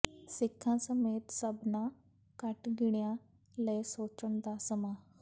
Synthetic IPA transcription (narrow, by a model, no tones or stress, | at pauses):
sɪkʰːãːsəmeːt̪səbnã | kəʈɡɪɳ̃jã | ləesoːt͡ʃəɳ̃d̪aːsəmaː